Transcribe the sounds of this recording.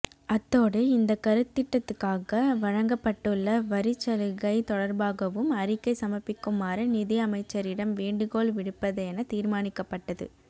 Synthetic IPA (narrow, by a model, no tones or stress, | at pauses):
ɐt̪ːoːɽɯɪnd̪ɐkːɐɾɯt̪ːɪʈːɐt̪ːɯkːaːɣɐʋɐɻɐŋɡɐpːɐʈːɯɭːɐʋɐɾɪt͡ʃːɐlɯɣɐɪt̪ɔɽɐɾbaːɣɐʋɯmɐɾɪkːɐɪsɐmɐpːɪkːɯmːaːɾɐnɪðɪɐmɐɪt͡ʃːɐɾɪɽɐmʋeːɳɖɯɣoːɭʋɪɽɯpːɐðɐɛnɐt̪iːɾmaːnɪkːɐpːɐʈːɐðɯ̰